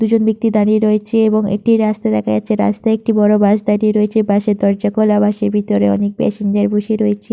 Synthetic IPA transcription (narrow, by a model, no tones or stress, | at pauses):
d̪ud͡ʑonbik̚t̪id̪aɽiɾoet͡ɕʰeeboŋḛʈiɾast̪ad̪ɛkʰad͡ʑatːɕʰeɾa̰st̪aek̚ʈibɔɽobaʃd̪aɽiɾoet͡ɕʰebaʃeɾd̪ɔɾd͡ʑakolabaʃeɾbʱit̪oɾeɔ̰nek̚pɛ̰seɲd͡ʑaɾboʃiɾojet͡ɕʰe